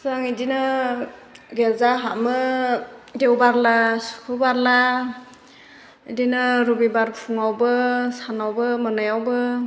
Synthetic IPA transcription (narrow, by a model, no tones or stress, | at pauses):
zaŋidinɯ | ɡezaɦamɯ | dewbaɾlasu̥kʰubaɾla | dinɯɾubibaɾpʰuŋawbɯsanawbɯmɯnɯjawbɯ